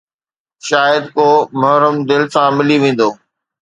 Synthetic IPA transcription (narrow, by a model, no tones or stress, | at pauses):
ʃaːjəd̪koːmɐɦɾəmd̪ɪlsãmɪliʋẽːn̆d̪oː